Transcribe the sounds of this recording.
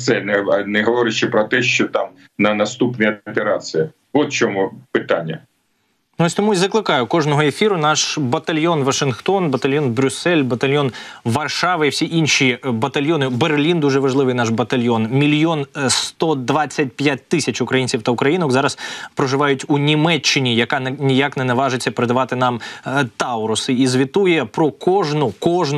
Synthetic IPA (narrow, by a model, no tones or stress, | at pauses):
sɛlʲnɛɐnɛɦɐʋɔɾɪt͡ʃːɛpɾɔt̪ɛʃt͡ʃɔt̪ɑm | nɐnɐst̪upnɨjɐpʲeɾɑt͡sʲijɐ | ʋɔt̪̚t͡ʃɔmupɪt̪anʲːɐ̰ | nɔsʲt̪ɔmuizɐklˠɪkɑjʊkɔʒnɔɦɔefʲiɾʊnɑʃbɐt̪ɐlʲjɔnʋɐʃɪnxt̪ɔnbɐt̪ɐlʲjɔnbɾʲʊsːɛlʲbɐt̪ɐlʲjɔnʋɐrʃɑʋɪiwsʲiʔinʲʃibɐt̪ɐlʲjɔnɪberlʲind̪uʒɛʋɐʒlˠɪʋɨɪjnɑʃbɐt̪ɐlʲjɔnmʲilʲjɔnst̪ɔd̪ʋɑt͡sʲːɐt̚ʲtʲjat̚ʲt̪ɪsʲɐt͡ʃʊkɾɐjinʲt͡sʲiwt̪ɐʊkɾɐjinɔkzɑɾɐspɾɔʒɪʋɑjʊtʲunʲimɛt͡ʃːɪnʲijɐkɑnnʲijaknɛnɐʋɑʒɪt͡sʲːɐpeɾɪd̪ɐʋɑt̪ɪnɑmt̪ɑʊɾʊsɪizʋʲit̪ujɛpɾɔkɔʒnʊkɔʒn